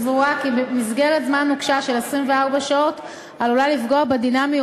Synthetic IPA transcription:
vuakibemizɡe̞ʁetzmanːukʃaʃe̞lesʁimve̞aʁbaʃao̞t | alolalifɡo̞abedinami

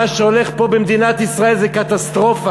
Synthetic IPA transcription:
aʃeo̞leχpo̞bemd̪inat̪isʁaelzɛkat̪ast̪ʁo̞fa

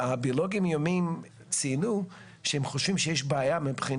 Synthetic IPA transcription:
abioloɡimjomim | t͡sinu | ʃɛhɛmχoʃvimʃɛjɛʃbaajamipχin

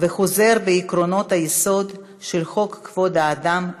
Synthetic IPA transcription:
veχoze̞ɾbeikɾo̞no̞t̪hajeso̞d̪ | ʃelχo̞kːvo̞d̪aːd̪am

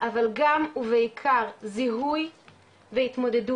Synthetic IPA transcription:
ʔavalɡamuveikʰaʁziɦuj | veit̪mo̞d̪edu

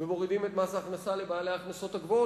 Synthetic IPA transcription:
vemo̞ʁidimet̪masaːχnasalebaːalejaχnaso̞t̪aɡvo̞

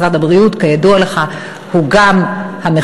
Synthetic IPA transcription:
ʁatabʁiutkajadualeχa | huɡamhame

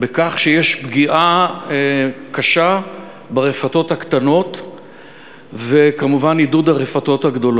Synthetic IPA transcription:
bekaχʃejeʃbɡiʔa | kaʃa | baʁefato̞thakt̪ano̞t | vekamuvanidud̪aʁefato̞t̪haɡd̪o̞lo

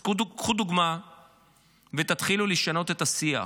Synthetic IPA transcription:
uukχud̪uɡma | vet̪at̪χiluliʃano̞t̪e̞t̪asia̰

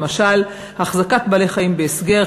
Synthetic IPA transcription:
maʃal | haχzakat̪baleχaimbeesɡe̞

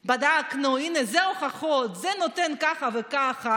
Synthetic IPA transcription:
bad̪aknuinezeoχaχot̪zenot̪enkaχavekaχa

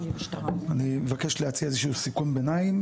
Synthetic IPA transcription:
animevake̞ʃlehat͡siaezeʃusikunbenaim

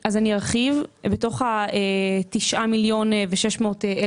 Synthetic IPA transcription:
ʔazaniaʁχivbeto̞χaetiʃʔamiljo̞nveʃeʃmo̞ːtee

